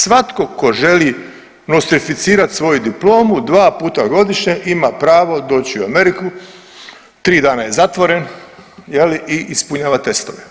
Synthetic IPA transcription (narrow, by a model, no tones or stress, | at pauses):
sʋat̪ko̞ko̞ʒe̞li | nost̪ɾifit̪siːɾat̪sʋo̞jud̪iplo̞ːmud̪ʋaːpuːt̪aɡo̞d̪iʃɲeʔimapɾaːʋo̞d̪o̞ːt͡ɕiuame̞ɾiku | t̪ɾiːd̪aːnaje̞zat̪ʋoɾe̞njeliʔiʔispuɲaːʋat̪e̞st̪oʋe